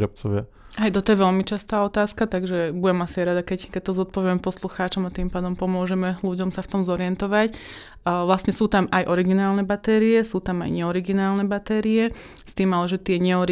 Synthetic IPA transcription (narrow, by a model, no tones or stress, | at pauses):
ɾɔp̚t͡sɔʋɪa | ɦajt̪ɔt̪ɔjɛʋɛlmit͡ʃast̪aːɔt̪aːskat̪aɡʒɛbujɛmasiajɾad̪akɛckɛc̚t̪ɔzɔt̪̚pɔʋɪɛmɛpɔsluxaːt͡ʃɔmat̪iːmpaːd̪ɔmpɔmʊɔʒɛmɛluɟɔmsaft̪ɔmzɔɾiɛnt̪ɔʋac | ʋlasɲɛsuːt̪amajʔɔɾiɡinaːlnɛbat̪ɛːɾiɛsuːt̪ama̰jɲɛɔɾiɡinaːlnɛbat̪ɛːɾijɛ | st̪iːmalɛʒɛt̪ɪɛɲɛɔɾi